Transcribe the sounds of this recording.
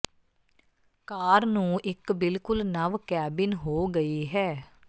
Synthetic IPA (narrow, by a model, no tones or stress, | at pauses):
kaːɾnũːʔɪkbɪlkʊlnəʋkɛːbɪnɦoːɡəiːɦɛː